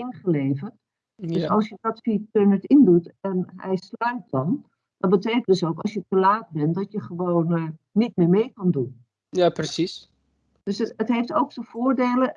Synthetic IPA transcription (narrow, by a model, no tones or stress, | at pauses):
ɪnχəleːvərt | døsɔlˠsjədɔtfitønəɹtɪndutɛnɦɛ̰jslœɥt̚d̥ɔn | dɔtbəteːkəntdəs̬owkɔ̰lˠsjətəlaːt̚bɛndɔtjəχəʋoːnː | it̚mɪːɹmeːkɑndun | japrəsis | d̥øsətɦejftowktəv̥oːɹdeːlə